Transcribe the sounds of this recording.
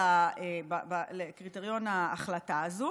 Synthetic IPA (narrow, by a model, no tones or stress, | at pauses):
aebabalekʁiteʁjo̞naːχlataːzu